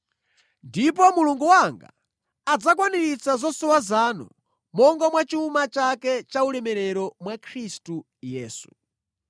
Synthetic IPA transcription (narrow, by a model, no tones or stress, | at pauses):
ndip̬ɔmuluŋɡuwaŋɡa̰ | ad͡zakwaniɾit͡sazɔsɔwazanṵ | mɔŋɡamwat͡ʃiumat͡ʃakɛt͡ʃaulɛmɛɾɛɾɔmwakʰɾistu | jɛːsu̥